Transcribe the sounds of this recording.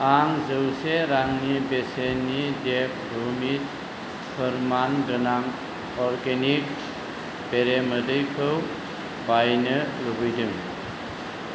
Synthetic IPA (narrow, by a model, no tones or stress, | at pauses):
aŋzɯwseɾaŋnibesenidek̚ʰɾumit̚ | pʰəɾmanɡɯnaŋ | ɔɾɡenik̚ | b̥eɾemədɯjkʰɯw | bajnɯlubɯjdɯŋ